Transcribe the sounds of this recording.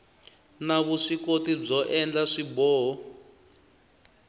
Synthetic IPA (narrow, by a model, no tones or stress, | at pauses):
naβuʂikotib͡ʐɔʔɛnd͡ɮaʂibɔːɦɔ